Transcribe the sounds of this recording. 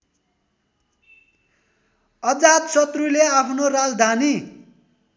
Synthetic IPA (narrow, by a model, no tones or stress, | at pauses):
ʌd͡zat̪sʌt̪ruleapʰnorad͡zd̪ʱani